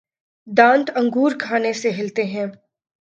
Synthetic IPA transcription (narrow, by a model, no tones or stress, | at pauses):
d̪ãːnt̪ɐ̃ŋɡuːɾkʰaːneseɦɪlt̪eɦɛ̃ː